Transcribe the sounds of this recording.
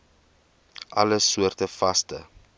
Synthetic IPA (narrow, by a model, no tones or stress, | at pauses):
ʔɐləsuərtəfɐstə̰